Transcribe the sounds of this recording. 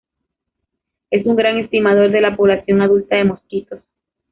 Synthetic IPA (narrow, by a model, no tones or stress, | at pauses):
e̞suŋɡɾaŋe̞st̪imað̞o̞ɾðe̞lapo̞βlasjo̞ŋaðult̪aðe̞mo̞skit̪o̞s